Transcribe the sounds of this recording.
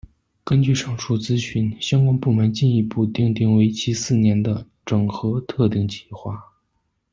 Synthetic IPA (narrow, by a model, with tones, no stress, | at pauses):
kə˥nt͡ɕy˥˧ʂɑ˥˩ŋʈ͡ʂʰu˥˩t͡sɹ̩˥ɕy˥˩nɕjɑ˥ŋkwa˥npu˥˩mə˧˥nt͡ɕi˥˧ni˧˥˧pu˥˧t̪i˥˧ŋt̪i˥˩ŋwe˧˥ɪt͡ɕʰi˥sɹ̩˥˩njɛ˧˥nd̪ə˧ | ʈ͡ʂɤ˨˩ŋxɤ˧˥t̪ʰɤ˥˧t̪i˥˩ŋt͡ɕʰi̥˧˥˩xwa˥˩